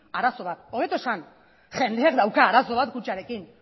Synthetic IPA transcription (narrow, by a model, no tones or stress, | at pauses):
aɾaso̞β̞at̪̚oɣet̪oesan | ʝe̞nd̪e̞akd̪awkaːɾaso̞βat̪kut͡ʃaɾe̞kin